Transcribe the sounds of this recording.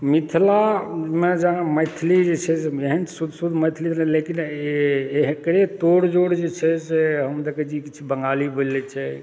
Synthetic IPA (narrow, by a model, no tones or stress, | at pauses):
mit̪ʰlamed͡ʒaməjt̪ʰlid͡ʒet͡ʃʰɛseeɦənsud̪ʱsud̪ʱməjt̪ʰlielekin | eɦkɾet̪oɽd͡ʒoɽd͡ʒet͡ʃʰɛseɦəmd̪ekʰɛt͡ʃʰikit͡ʃʰibəŋɡalibʱolɛt͡ʃʰɛ